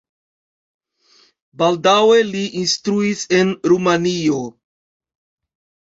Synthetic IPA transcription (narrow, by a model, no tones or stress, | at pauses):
baldawe̞liʔinstɾuise̞nɾumanio̞